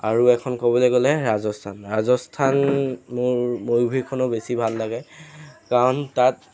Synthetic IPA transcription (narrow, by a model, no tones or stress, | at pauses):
aɹuɛkʰɔnkobɔloɡɔlɛɹazɔstʰanɹazɔstʰanmʊɹmojbʱikʰɔnɔbesibʱalːaɡɛkaɹɔntat̚